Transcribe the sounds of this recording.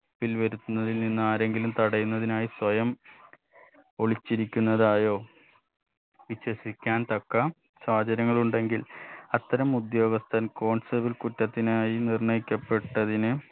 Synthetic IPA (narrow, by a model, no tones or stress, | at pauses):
pilʋɐɾut̪ːunːɐðilninːaːɾe̞ŋɡilumt̪ɐɽɐjunːɐðinaːjiswɐjɐm | oɭit͡ɕːiɾikʲːunːɐðaːjo̞ː | ʋiɕwɐsikʲːaːnt̪ɐkːɐ | saːd͡ʑɐɾɐŋːɐɭuɳɖe̞ŋɡilɐt̪ːɐɾɐmud̪jo̞ːɡɐst̪ʰɐnko̞ːɳsɐbilkutːɐt̪ːinaːjinirɳɐjikʲːɐpːe̞ʈːɐðinɨ